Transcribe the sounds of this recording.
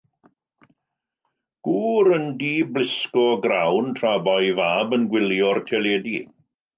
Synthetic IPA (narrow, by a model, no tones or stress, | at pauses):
ɡ̥uːɾəndiːblɪskɔɡrawntʰrabɔjvaːbənɡwɪljɔrtʰɛleːdi